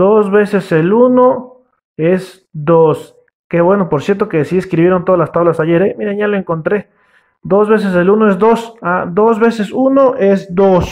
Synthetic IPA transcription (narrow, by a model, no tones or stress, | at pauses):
d̪ozβe̞se̞seluno̞ | e̞z | d̪os | keβwe̞no̞poɾsje̞ɾt̪o̞kesieskɾiβje̞ɾo̞nt̪o̞ðalast̪aβlasaʝeɾemiɾeʝaloeŋko̞nt̪ɾe̞ | d̪o̞zβe̞s̬e̞s̬e̞lunoe̞zd̪o̞sad̪o̞zβe̞se̞suno̞ʔe̞sd̪os